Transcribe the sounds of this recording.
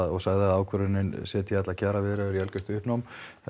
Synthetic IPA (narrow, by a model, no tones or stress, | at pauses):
ðɔɣsaːɣðɪaaːwkʰʏɾʏnɪnsɛːt̪jθɛt̪lacʰaːɾavɪðɾɛɛɾiɛlcʏst̪ʏhpnɔwm